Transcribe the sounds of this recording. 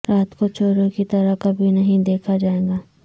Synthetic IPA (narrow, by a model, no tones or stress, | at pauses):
ɾaːt̪kot͡ʃoːɾõkit̪ɐɾakɐbʱinɐɦĩd̪eːkʰad͡ʒaːẽːɡaː